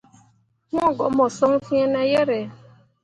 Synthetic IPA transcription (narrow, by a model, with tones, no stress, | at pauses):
ŋ˦ɔ˦˨ɡɔ˨mɔ˨sɔ˦ŋ̩˦fi˦e˦ne˦je˦ɾe˨˦